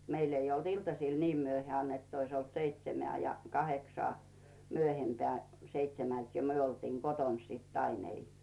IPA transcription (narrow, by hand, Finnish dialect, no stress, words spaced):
meil ei olt iltɑsiˑl niːm myøheæˑn etː ois olt seitsemĕæˑ jɑ kɑheksŏɑˑ myøhempeæˑ seitsemælt jo myø oltiːŋ ɡ̊oton sit ɑin ei